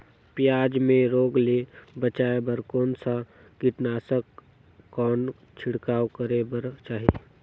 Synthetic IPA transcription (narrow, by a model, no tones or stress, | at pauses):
pjaːd͡ʒmẽɾoːɡlebət͡ʃaːebəɾkɔːnsa | kɪʈnaːsəkː | ɔːn | t͡ʃʰɪɽkaːwkəɾebəɾt͡ʃaːɦieː